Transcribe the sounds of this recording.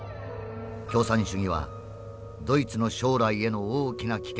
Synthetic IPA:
kʲo̞ːsãɰ̃ɕɨɡʲiβa̰ | d̪o̞it͡sɨno̞ɕo̞ːɾaie̞no̞oːkʲinakʲi̥k

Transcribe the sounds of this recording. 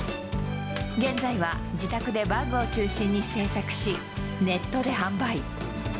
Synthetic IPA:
ɡẽ̞nd͡zaiβa | d͡ʑit̪akɯ̟d̪e̞bãŋɡɯːt͡ɕɨːɕĩɲ̟ːise̞ːsakɯ̟̥ɕi | ne̞t̪ːo̞d̪e̞hãmbai

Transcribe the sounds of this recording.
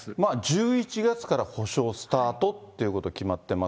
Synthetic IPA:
mad͡ʑɨːit͡ɕiɡat͡sɨ̥kaɾaho̞ɕo̞ːsɨ̥t̪aːt̪o̞t̪ːe̞iɯ̟ko̞t̪o̞kʲimat̪ːe̞ma

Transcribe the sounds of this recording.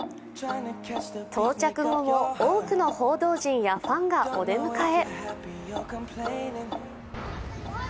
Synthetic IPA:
nʰt̪ʰo̞ːt͡ɕakɯ̟ɡo̞mo̞oːkɯ̟no̞ho̞ːd̪o̞ːʑĩɰ̃jaɸãŋɡaod̪e̞mɯ̟kae̞ | l

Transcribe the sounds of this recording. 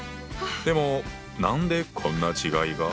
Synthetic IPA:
d̪emɔ | naɯnd̪ekʌnːat͡ɕiɡaiɡa

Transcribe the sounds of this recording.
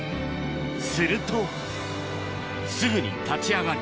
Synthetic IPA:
sɨɾɯt̪ʰo | sɨɡɯɲḭt̪ʰat͡ɕʰiaɡa

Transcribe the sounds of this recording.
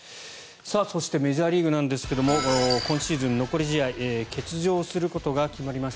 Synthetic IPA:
saso̞ɕi̥t̪e̞me̞ʑaːɾʲiːɡɯ̟nãnd̪e̞sɨ̥ke̞d̪o̞mo̞kõ̞ɰ̃ɕiːzɨ̃nːo̞ko̞ɾʲiʑiaike̞t͡sɨʑo̞ːsɨɾɯ̟ko̞t̪o̞ɡakʲimaɾʲimaɕt̪a

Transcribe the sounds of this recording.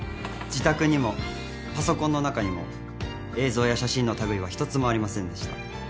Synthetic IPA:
d͡ʑit̪akɯ̟ɲ̟imo̞ | paso̞kõ̞nːo̞nakaɲ̟imo̞̰ | e̞ːzo̞ːjaɕaɕĩno̞t̪aɡɯ̟iβ̞açi̥t̪o̞t͡sɨmo̞aɾʲimasẽ̞nd̪e̞ɕi̥t̪a

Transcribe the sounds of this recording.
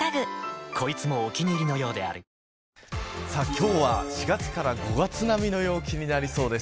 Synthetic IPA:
aɡɯkʰo̞it͡sɨmo̞ːkʲinʲiɾʲino̞jo̞ːd̪e̞a̰ɾɯ̟ | sakʲo̞ːβaɕiɡat͡sɨ̥kaɾaɡo̞ɡat͡sɨnamʲino̞jo̞ːkʲiɲ̟inaɾʲiso̞ːd̪e̞s

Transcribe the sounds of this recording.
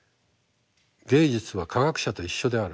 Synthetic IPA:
ɡẽ̞ːd͡ʑit͡sɨβakʰaɡakɯ̟̥ɕat̪o̞iɕːo̞d̪e̞aɾɯ

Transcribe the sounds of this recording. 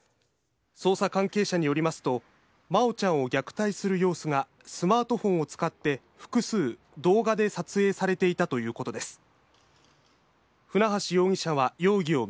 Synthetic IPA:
so̞ːsakãŋke̞ːɕaɲ̟ijo̞ɾʲimasɨ̥t̪o̞ | mao̞t͡ɕãɰ̃o̞ɡʲakɯ̟̥t̪aisɨɾɯ̟jo̞ːsɨŋɡa | sɨmaːt̪o̞ɸõ̞ɰ̃o̞t͡sɨ̥kat̪ːe̞ | ɸɯ̥kɯ̟sɨː | d̪o̞ːɡad̪e̞sat͡sɨe̞ːsaɾe̞t̪e̞it̪at̪o̞jɯ̟ːko̞t̪o̞d̪e̞sɨ̥ | ɸɯ̟naɦaɕijo̞ːŋ̟ʲiɕãβajo̞ːɡʲio̞

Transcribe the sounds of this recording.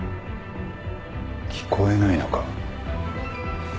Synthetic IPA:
kʲʰi̥kʰo̞enaino̞kḁ

